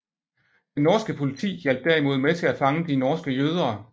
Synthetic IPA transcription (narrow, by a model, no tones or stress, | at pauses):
d̥enːɒːsɡ̥əpʰo̝lit͡sʰḭːjæl̰b̥æɐ̰imo̝ð̞ˠmet͡sʰe̝læfɑ̈ŋəd̥inɒːsɡ̥əjøːð̞ˠɐː